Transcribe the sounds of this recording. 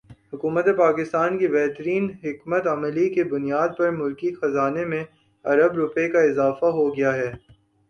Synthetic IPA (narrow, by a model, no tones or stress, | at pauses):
hʊkuːmət̪epaːkɪst̪aːnkibɛɦt̪əɾiːnɦɪkmət̪ɐməlikebʊnijaːd̪̚pɐɾmʊlkixɐzaːnemẽ | ɐɾəbɾʊpekaɪzaːfaɦoɡɐjaɦɛː